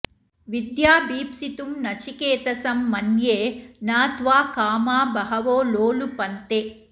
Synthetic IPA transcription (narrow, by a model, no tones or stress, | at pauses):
ʋid̪jaːbiːpsit̪umnɐt͡ʃikeːt̪ɐsɐmːɐnjeːnaːt̪ʋaːkaːmaːbɐɦɐʋoːloːlupɐnt̪e